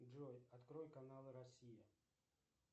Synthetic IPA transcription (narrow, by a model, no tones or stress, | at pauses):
ʐojɐt̪kɾojkɐnalˠɨɾɐsʲijɪ